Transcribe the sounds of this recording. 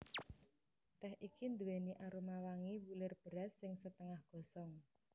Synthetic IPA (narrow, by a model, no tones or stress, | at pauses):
t̪ɛhʔikind̪uweniʔaɾumawaŋiwulɪrb̥ə̤ɾasːɪŋsət̪əŋahɡ̥ɔ̤sɔŋ